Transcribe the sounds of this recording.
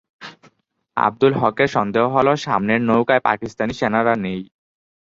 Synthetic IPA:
a̰b̚d̪ulɦɔkeɾʃɔnd̪eɦoɦɔloʃamneɾnowkaepa̰kist̪aniʃenaɾanej

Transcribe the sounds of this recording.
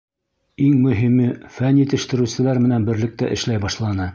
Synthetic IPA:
iŋmɵ̆ɦimɘfænjit̪ɘ̆ʃt̪ɘ̆ɾɘ̆wsɘ̆læɾmɘ̆nænbɘ̆ɾlɘ̆k̚t̪æʔɘ̰̆ʃlæjbɑʃlˠɑnɤ

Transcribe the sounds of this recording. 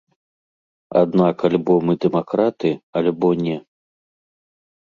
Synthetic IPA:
a̰d̪nakalʲbɔmɨd̪ɛmakɾat̪ɨalʲbɔnʲɛ

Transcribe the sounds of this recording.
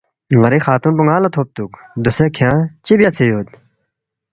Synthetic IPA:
ŋɐɾixaːt̪unpuŋɡaːlɐt̪ʰoːp̚t̪ukd̪usekʰãːt͡ɕibjat͡sʰejoːd̪̚

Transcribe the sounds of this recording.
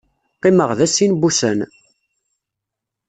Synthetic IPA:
qːiməʁðæsːinbusæn

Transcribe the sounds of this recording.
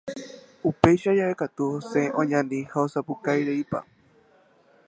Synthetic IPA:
upe̞jʃad͡ʒaekat̪uhoseʔõɲãnd̪ĩhaosapukajɾeipa̰

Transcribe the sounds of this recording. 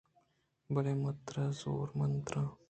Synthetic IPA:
bəɾemɐt̪ɾəzo̰ːɾmənt̪ɾə̃

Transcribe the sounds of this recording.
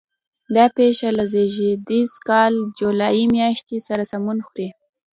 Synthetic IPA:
d̪ɑpeʃalazeʒed̪izkɑld͡ʒulɑjimjɑʃt̪isaɾasamunxɾi

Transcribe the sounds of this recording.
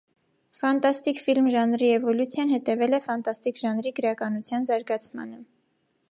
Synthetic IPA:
fɑnt̪ɑst̪ikfilmʒɑnɾiɛvɔljut͡sʰjɑnhɛt̪ɛvɛlɛfɑnt̪ɑst̪ikʒɑnɾiɡəɾɑkɑnut͡sʰjɑnzɑɾɡɑt͡sʰmɑ̰nə

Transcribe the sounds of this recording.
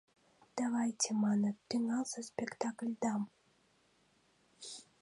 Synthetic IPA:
d̪̥avajt͡sʲɛmanɐt̪ɨnasɐsʲpʲɛkt̪aklʲd̪am

